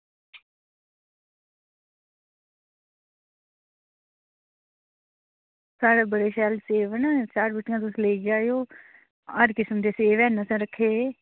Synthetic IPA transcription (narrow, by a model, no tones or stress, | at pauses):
saːɽaːbəɽeːʃɛːlseːʋənt͡ʃaːɾbəʈɪjãːt̪ʊsleiɡaːoː | əɾkɪsmd̪eːseːʋɛ̃ːnəsə̃ɾəkʰːeː